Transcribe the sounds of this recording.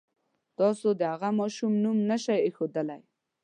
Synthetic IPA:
t̪ɑsod̪əhaɣamɑʃumnumnaʃajexod̪əlaj

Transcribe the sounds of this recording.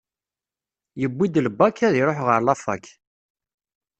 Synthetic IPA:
jəbːid̪ləbːakːæðiɾˤoħʁəɾlɑfɑ̰k

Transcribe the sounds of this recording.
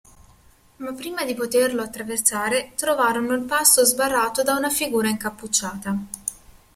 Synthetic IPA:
mapːɾiːmad̪ipot̪erloat̪ːɾavert̪saːɾet̪ɾovaːɾonoilpast̪ozbarːaːt̪od̪aunafiɡuːɾaiŋkapːut͡ʃːaːt̪a

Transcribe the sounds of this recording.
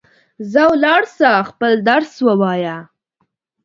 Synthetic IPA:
zawlɑɽsaxpəld̪aɾswəwɑja

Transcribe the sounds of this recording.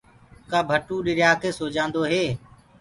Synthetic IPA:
kãːbʱəʈuːɗɪɾjaːkʰeːsoːd͡ʒãːnd̪oːɦeː

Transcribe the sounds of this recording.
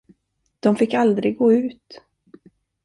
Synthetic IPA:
d̪̥ɔmfɪkːald̪ɾɪɡɡːoːʉ̟ːt̪

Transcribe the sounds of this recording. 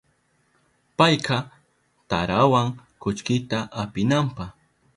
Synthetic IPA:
pɑjqʰɑ | t̪a̰ɾawaŋkʊt͡ʃkɪt̪aʔapɪnampɑχ

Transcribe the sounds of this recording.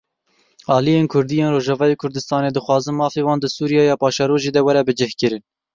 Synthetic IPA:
ɑːlijeːnkʰʊɾd̪ijeːnroːʒɑvɑːjeːkʰʊɾd̪ɨst̪ɑːneːd̪ɨxwɑːzɨnmɑːfeːwɑːnd̪ɨsuːɾijɑːjɑːpɑːʃɑːɾoːʒeːd̪ɛwæɾɛbɨd͡ʒɛhkɨɾɨn

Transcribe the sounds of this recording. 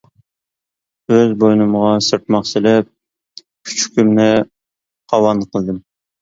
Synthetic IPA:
øzbojnɨmʁɑsɨɾt̪mɑχsɨlɛp̚ | kʲʰy̥t͡ʃʰkʲʰymnɪ | qʰɑwɑnqʰəlˠd̪ɨm

